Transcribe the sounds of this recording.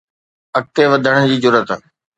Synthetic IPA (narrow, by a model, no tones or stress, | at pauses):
ɐk̚t̪eʋɐd̪ʱəɽəɽ̃d͡ʑiːd͡ʑʊɾət̪ə